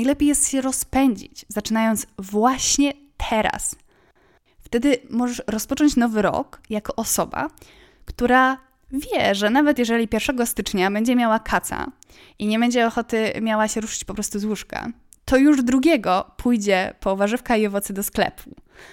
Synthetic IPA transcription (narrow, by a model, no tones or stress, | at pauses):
ajlɛpʲjejɛst̪ɕɛɾɔspɛɲd͡ʑḭt͡ɕzat͡ʂɘnajɔnd̪svwaɕɲɛ | t̪ʰɛɾa̰s | ft̪ɛd̪ɘmɔʐɛʂɾɔspɔt͡ʂɔɲt͡ɕnɔvɘɾɔ̰kjakɔʔɔsɔba̰ | kt̪uɾa | vʲjɛʐɛnavɛt̪jɛʐɛlʲipʲjɛɾfʂɛɡɔst̪ɘt͡ʂɲabɛɲd͡ʑɛmʲjawakʰat̪sa̰ | iɲɛbɛɲd͡ʑɛɔxɔt̪ɘmjawaɕɛɾuʂɘ̥t͡ɕpɔpɾɔst̪uzwuʂka̰ | t̪ɔjuʐd̪ɾuɡʲjɛɡɔpʰujd͡ʑɛpɔvaʐɘfkaiɔvɔt̪sɛd̪ɔsklɛ̰pʰu